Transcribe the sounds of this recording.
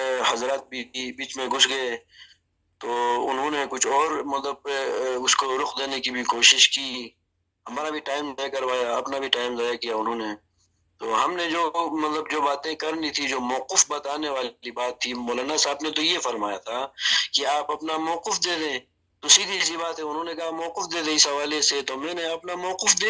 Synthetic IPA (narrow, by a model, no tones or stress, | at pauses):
ɦɐzɾaːt̪̚bʱiibiːt͡ʃmẽɡʱʊsɡɐe | t̪oːʊnɦõnekʊt͡ʃʰɔːɾmɐt̪ləb̚ʊskoɾʊqd̪eːnekibʱikoːʃɪʃkiː | ɦɐmaːɾabʱiʈaːɪmajakɐɾʋaːjaɐpnabʱiʈaːɪmzaːjakijaʊnɦõːne | t̪oːɦɐmned͡ʒoːmɐt̪ləb̚d͡ʒoːbaːt̪ẽkɐɾnit̪ʰid͡ʒoːmɔːqɪfbɐt̪aːneʋaːllibaːt̪ʰːimɔːlaːnasaːbnet̪ojefɐɾmaːjat̪ʰakiaːpɐpnamɔːqɪfd̪eːd̪ẽ | t̪ʊsid̪ʱiɛsibaːt̪ɦɛʊnɦõnekɐɦamɔːqɪfd̪eːd̪ẽɪsɦɐʋaːleset̪omɛ̃ːneɐpnamɔːqɪfd̪eː